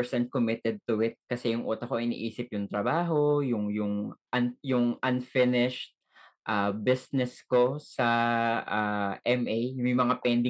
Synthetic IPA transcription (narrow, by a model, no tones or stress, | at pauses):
sɛn̚komɪt̪ɛd̪̚t̪ʊʔɪt̪̚kɐsɛjʊŋʔuːt̪ɐkoʔɪnḭːʔiːsɪpjʊŋt̪ɾɐbaːɦo̞jʊŋjʊŋʔɐnjʊŋʔɐnfɪnɪʃt̪̚ | ʔaːbɪsnɛsko̞sɐʔaʔɛmʔejmɐjmɐŋapɛnd̪ɪ